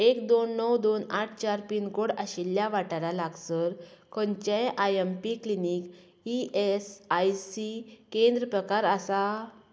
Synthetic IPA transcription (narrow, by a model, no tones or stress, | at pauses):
ekd̪onːɔwd̪onaʈʰt͡ɕaɾpinkoɽaɕilːjaʋaʈaɾalaɡsəɾkʰɔɲt͡ɕẽʔajempiklinik | iʔesajsikẽnd̪ɾəpɾəkaɾasa